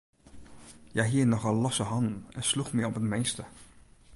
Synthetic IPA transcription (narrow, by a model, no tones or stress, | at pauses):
jaːɦiːənɔχɑllɔsəɦɑndən̩ɛnsluχmɛɔpətmejstə